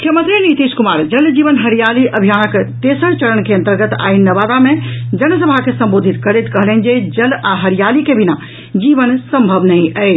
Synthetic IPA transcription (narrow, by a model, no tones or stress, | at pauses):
mukʰjəmənt̪ɾinit̪iskumaːɾd͡ʒəld͡ʒiʋənɦəɾijaliʔəbʱijanəkt̪esəɽt͡ʃəɾənkeə̃nt̪əɾɡət̪a̰inːəʋad̪amed͡ʒənəsəbʱakesəmbod̪ʱit̪kəɾet̪kəɦlɛnd͡ʒed͡ʒəlaɦəɾijalikebina | d͡ʒiʋənsəmbʱəbnə̃ə